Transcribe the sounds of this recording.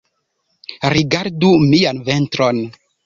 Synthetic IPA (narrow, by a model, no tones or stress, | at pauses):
ɾiɡaɾdumianventɾon